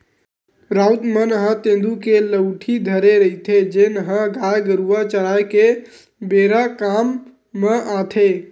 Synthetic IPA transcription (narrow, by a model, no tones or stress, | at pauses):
ɾawt̪mənɦə̃t̪ẽnd̪ukeləwʈʰid̪ʱəɾeɾəjt̪ʰed͡ʒenɦə̃ɡajɡəɾuat͡ʃəɾajke | beɾakamː | əʔãt̪ʰe